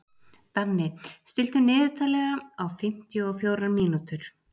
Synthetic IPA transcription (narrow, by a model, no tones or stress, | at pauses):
θanːɪst̪ɪl̥t̪ʏnɪːðɪt̪ʰaːlɛɣaawfɪm̥t̪jʏɔfjoːwɾanmiːnut̪ʏɾ̥